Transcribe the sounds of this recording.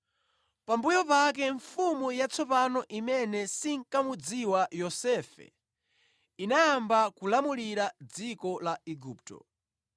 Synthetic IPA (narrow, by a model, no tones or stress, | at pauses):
pambujɔpak̬ɛɱfumujat͡sʰɔpanɔʔimɛnɛsiŋkamud͡ziwajɔsɛfɛ̰ | inaːmbakulamuliɾad͡zikɔlaɛɡuːp̚tɔ̰